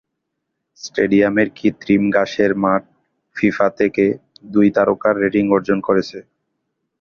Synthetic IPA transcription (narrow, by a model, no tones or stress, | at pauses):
sʈeɖiameɾkit̪ɾimɡaʃeɾmaʈ̚ | fifat̪ʰeked̪ujt̪aɾokaɾːeʈiŋɔɾd͡ʑonkoɾet͡ɕʰe